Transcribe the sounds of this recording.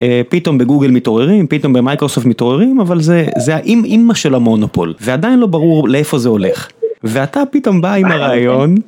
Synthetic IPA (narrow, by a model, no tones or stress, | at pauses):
epito̞mbeɡuɡelmito̞ʁeʁimpit̪o̞mbemajkʁo̞soft̪mito̞ʁeʁimavalzezeaʔimimːaʃelamo̞nopo̰lvead̪ainlo̞baʁuʁleefo̞zeo̞le̞χveatapito̞mbaimaʁaːjo̞n